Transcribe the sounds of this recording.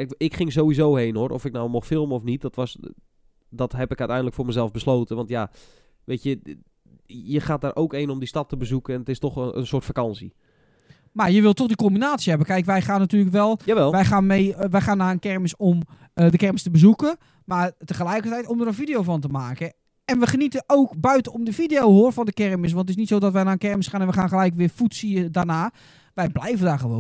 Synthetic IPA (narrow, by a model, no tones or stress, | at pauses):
ɪkχɪŋzoːʋizoːɦeːnorʔɔ̰fɪk̚nawmɔxfɪlˠməɔfnit̚dɔtʋɔs | dɔtɦɛpɪkœɥtɛjndələkfʊːɹməzɛlˠvbəsloːtəʋɑntja | ʋeːtjə | jəxaːt̚daːɾʔowkejnɔmdistɑtəbəzukəɛnətɪstɔxə̰nsʊːtfakɑnsḭ | marjəʋɪlˠtɔxdikombinaːtsjɦɛbəkɛjkʋɛjxaːnːatyːləkʋɛlˠaɛlˠʋɛjxaːnmejʋɛjxaːnːaənkɛrməsom | ədəkɛrməstəbəzukə | martəχəlɛjkətɛjtɔmdərənfidejowfɔntəmaːkə | ɛnʋəχənitəoːkbœɥtənomdəfidejowhoːrfɔndəkɛrməs̬ʋɑntətɪsnitsoːdɔtʋɛjnaːənkɛrməsχaːnɛnʋəxaːnxəlɛjkʋɪəfutsiədarnaː | ʋɛjblɛjvəndarχəʋo̰ːn